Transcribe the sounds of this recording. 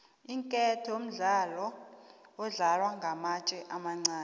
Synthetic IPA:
iŋkʼɛtʰɔjom̩ɮalɔ | ɔɮalwaŋɡʱamat͡ʃʼɛʔamaŋ͡ǀaːn

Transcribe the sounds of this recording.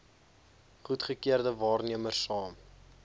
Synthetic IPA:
χutχəkiərdəvɑːrniəmərsɑːm

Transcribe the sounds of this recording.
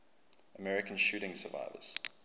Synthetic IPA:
əmɛɹɪkə̃nʃʉːɾɪ̃ŋsəva̰ɪvə̰z̥

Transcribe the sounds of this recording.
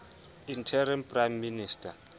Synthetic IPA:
intʰɛɾɛnpʼrajmːiniːstʰʼa

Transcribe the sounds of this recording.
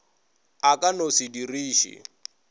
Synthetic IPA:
akʼanosidiriːʃḭ

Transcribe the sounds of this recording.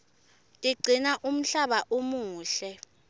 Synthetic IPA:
tʼiɡ͡ǀʱinaʔum̩ɬaɓaʔomuːɬɛ

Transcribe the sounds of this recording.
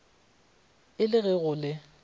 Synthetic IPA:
ɪlɪɣɛɣʊlɪ

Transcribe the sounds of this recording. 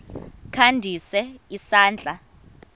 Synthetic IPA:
kʰandʱisɛisaːnd͡ɮʱa

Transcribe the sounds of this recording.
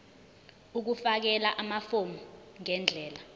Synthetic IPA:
uk̬ufak̬ɛlaʔamafomɔŋɛnd͡ɮʱɛːla

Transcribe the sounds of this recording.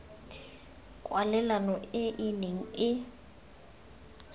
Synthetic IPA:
kʼwalɛlanɔɪʔɪneŋ̩ɪ

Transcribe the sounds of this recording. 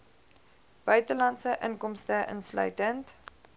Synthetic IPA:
b̥œɥtəlɑntsəʔəŋkɔmstəʔə̰nslœ̰ɥtənt

